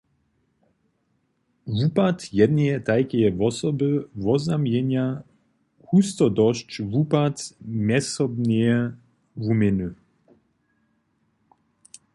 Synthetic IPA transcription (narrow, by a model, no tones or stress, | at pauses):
vupat̪jɛd̪niɛt̪ajkɛjɛvɔsɔbɨvɔzamjɛɲa | kust̪ɔd̪ɔʃt͡ʃvupat̪mʲɛsɔbnɛɛ | vumɪnu